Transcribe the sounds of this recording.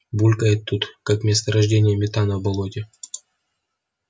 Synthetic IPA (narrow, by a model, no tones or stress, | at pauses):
bulʲkəɪt̪ːut̪kakmʲest̪əɾɐʐdʲenʲɪjəmʲɪt̪anəvbɐlˠotʲɪ